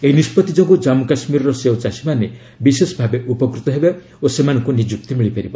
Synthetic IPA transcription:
eɦinispɔt̪id͡ʒɔɡud͡ʒamukasmiɾɔɾɔseot͡ʃasimane | bisesɔbʱabeʔupɔkɾut̪ɔɦeba | osemanɔ̃ŋkunid͡ʒuk̚t̪imiɭipaɾibɔ

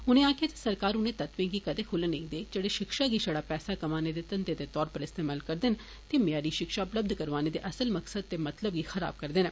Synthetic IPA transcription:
ʊnẽːaːkʰjaːt̪ḁsəɾkaːɾʊnẽːt̪ət̪ʋẽːɡiːkəd̪eːkʰʊlenə̃ĩːd̪eːd͡ʒeɽeːʃɪkʃaːɡiːʃəɽaːpɛːsaːkəmaːneːd̪eːt̪ənt̪eːd̪eːt̪ɔːɾpəɾɪst̪eːmaːlkəɾd̪ɪn | t̪emjaːɾiːʃɪkʃaːʊpləb̚d̪kəɾʋaːneːd̪ḛːʔəsəlməksəd̪̚t̪eːmət̪ləbɡiːxəɾa̰ːb̚kəɾd̪ɪnː

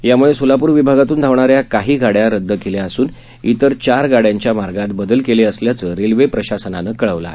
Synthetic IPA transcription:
jamuɭesulapuːɾʋibʱaɡat̪uːnd̪ʱaʋɳaɾjakaɦiːɡʱaɽjaɾəd̪ːəkeljaasuːn | ḭt̪əɾt͡ɕaɾɡaɽjaɲt͡ɕjamaɾɡat̪bəd̪əlkeleəsljat͡səɾelʋepɾəɕasənanəkəɭəʋla̰

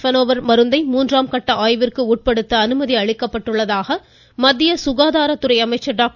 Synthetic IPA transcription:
fɐnoːʋɐɾmɐɾɯnd̪ɐɪmuːndraːmkɐʈːɐʔaːjʋɪrkɯuːʈ̚pɐɽɯt̪ːɐːnɯmɐðiɐɭɪkːɐpːɐʈːɯɭːɐðaːɣɐ | mɐd̪ːɪjɐsʊɣaːðaːɾɐt̪ːɯɾɐɪɐmɐɪt͡ʃːɐɖaːk̚

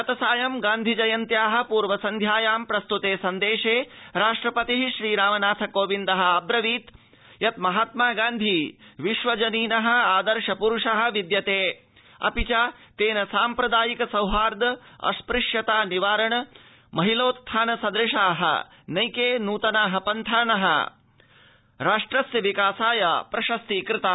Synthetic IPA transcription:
ɐt̪ɐsaːjɐmɡaːnd̪ʱid͡ʒɐjɐnt̪jaːɦɐ̆puːɾʋɐsɐnd̪ʱjaːjaːmpɾɐst̪ut̪eːsɐnd̪eːʃeːɾaːʂʈɾɐpɐt̪iɦiʃɾiːɾaːmɐnaːt̪ʰɐkoːʋind̪ɐɦɐ̆ɐbɾɐʋiːt̪ | jɐt̪mɐɦaːt̪maːɡaːnd̪ʱiʋiʃʋɐd͡ʒɐniːnɐɦɐ̆aːd̪ɐɾʃɐpuɾuʂɐɦɐ̆ʋid̪jɐt̪eː | ɐ̰pit͡ʃaːt̪eːnɐsaːmpɾɐd̪aːjikɐsɐwɦaːɾd̪ɐɐ̰spɾɪʂjɐt̪aːniʋaːɾɐɳɐ | mɐɦiloːt̪t̪ʰːaːnɐsɐd̪ɾɪʃaːɦɐ̰ | nɐjkeːnuːt̪ɐnaːɦɐpɐnt̪ʰaːnɐɦɐ̰ | ɾaːʂʈɾɐsjɐʋikaːsaːjɐpɾɐʃɐst̪ikɾɪt̪aː

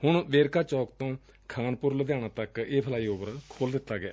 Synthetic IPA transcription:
hʊɳʋeːɾkaːt͡ʃɔːkt̪õː | kʰaːnpʊɾləd̪jaːñãːt̪əkeːpʰəlaːiːoːbəɾkʰoːld̪ɪt̪ːaːɡea̰ː

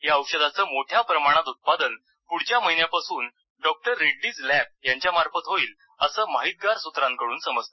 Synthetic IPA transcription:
jaəwɕəd̪at͡səːmoʈʰjapɾəmaɽ̃at̪ut̪̚pad̪ən | puɽ̤t͡ɕjaməɦinjapasuːn | ɖɔk̚ʈəɾːeɖːiːd͡zlæp̚jaɲt͡ɕjamaɾfət̪ɦoiːl | əsəːmaɦit̪̚ɡaɾsut̪ɾãŋkəɽuːnsəməd͡zt̪a

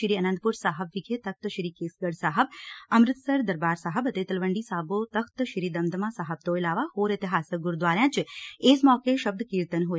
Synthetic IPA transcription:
ɾiːənə̃nd̪̚puɾsaːɦəbʋiɡʱet̪ək̚t̪ʃɾiːkeːsɡəɽsaːɦəb̚əmɾɪt̪səɾd̪əɾbaːɾsaːɦəbɐt̪et̪ɐlʋəɳɖisaːbot̪ɐkʰt̪ʃɾiːd̪ɐmd̪əmãːsaːɦəb̚t̪oːelaːʋahoːɾet̪iɦaːsəɡʊɾd̪ʋaːɾjãːt͡ʃeːsmɔːkeʃəb̚d̪ʱkiːɾt̪ənɦoj

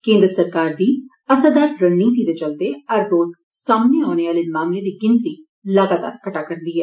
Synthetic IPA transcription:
kẽːnd̪ɾəsəɾkaːɾd̪iː | əsaːd̪aːɾːənniːt̪̬iːd̪et͡ʃəld̪eːəɾːoːz | saːmneːaːneːaːleːmaːmleːd̪iːɡɪ̃nt̪ɾiː | ləɡaːt̪a̰ːɾkəʈaːkəɾnd̪iːɦɛː

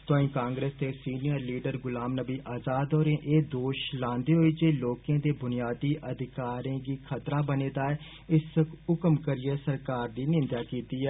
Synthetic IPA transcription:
t̪ʊãːĩːkãːŋɡɾeːst̪eːsiːnijəɾliːɖəɾɡʊlaːmnəbiːʔaːzaːd̪ɔːɾẽːʔeːd̪oːʃlãːnd̪eːɦoːiːd͡ʒeːloːkẽːd̪eːbʊnɪjaːd̪iːʔəd̪ʱɪkaːɾẽːɡiːkʰət̪ɾaːbəneːd̪aːɛː | ɪsʊkəmkəɾɪjeːsəɾkaːɾd̪iːnɪ̃nd̪aːkiːt̪iːɛː

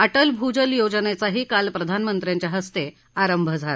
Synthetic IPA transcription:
əʈəlbʱud͡ʑəljod͡znet͡saɦiːkalpɾəd̪ʱanmənt̪ɾjãɲt͡ɕjaɦəst̪e | aɾəmbʱəd͡zʱala

